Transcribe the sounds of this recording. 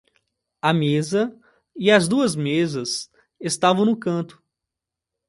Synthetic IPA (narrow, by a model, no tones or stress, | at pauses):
ɐmezɐ | ɪɐzd̪uɐzmezɐs | est̪avɐ̃w̃nʊkɐ̃nt̪ʊ̥